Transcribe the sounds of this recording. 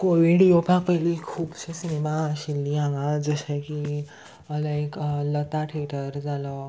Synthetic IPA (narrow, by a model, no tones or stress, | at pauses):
koʋiɽjopʰãpəjlikʰuːpsesinemaəɕilːiãŋɡad͡zəɕeki | ləaeklət̪aʈʰeʈəɾd͡zalə